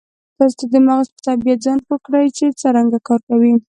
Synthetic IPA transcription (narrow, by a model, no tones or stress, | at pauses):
t̪ɑst̪ad̪əmaɣaspə̥t̪abijad͡zɑnwəkɽəjt͡ʃet͡səɾaŋɡakɑɾkawi